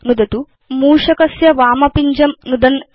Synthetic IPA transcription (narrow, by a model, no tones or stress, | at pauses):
nud̪ɐt̪u | muːʂɐkɐsjɐʋaːmɐpiɲd͡ʒɐmnud̪ɐn